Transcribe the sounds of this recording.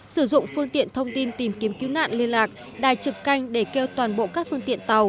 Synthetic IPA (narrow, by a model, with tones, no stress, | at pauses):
sɨ˧˩zʊ̰˧˨ŋ͡mfɨ˧əŋt̪ḭ˧˨ənt̪ʰə˧wŋ͡mt̪i˧nt̪i˨˩mki˨˦əmki˨˦wna̰ː˧˨nli˧ənlaː˨˩k̚ | ɗa̰ː˧˩jt͡ɕɨ˨˩kːa˧jŋ̟ɗe˧˩ke˧wt̪waː˨˩nɓo̰˧˨kaː˦˥k̚fɨ˧əŋt̪ḭ˧˨ənt̪a˨˩w